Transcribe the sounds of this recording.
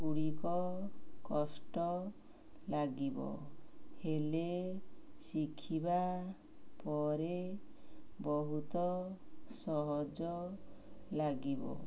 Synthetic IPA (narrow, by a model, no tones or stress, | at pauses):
uɽikɔkɔsʈɔ | laɡibɔ̰hele | sikʰiba | pɔɾe | bɔɦut̪ɔsɔɦɔd͡ʒɔ | laɡibɔ̰